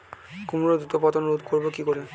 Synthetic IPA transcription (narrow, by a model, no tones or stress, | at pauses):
kumuɾod̪ut̪opat̪onɾud̪ʱkoɾbokikoɾe